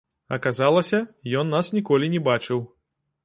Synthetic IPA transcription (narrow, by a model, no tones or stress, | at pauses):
ɐ̰kazalˠɐsʲɐjɔnːasnʲikɔlʲinʲɛbat͡ʂɨw